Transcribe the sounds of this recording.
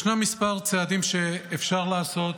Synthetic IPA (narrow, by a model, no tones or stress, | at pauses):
ʃnemispaʁt͡sead̪imʃe̞ːfʃaʁlaːso̞t̪